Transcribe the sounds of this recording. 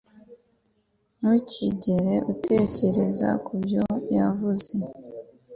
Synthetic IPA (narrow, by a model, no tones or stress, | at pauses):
muciɟe̞ɾe̞ʔutʰe̞ːce̞ɾe̞za̰kubjo̞javuze̞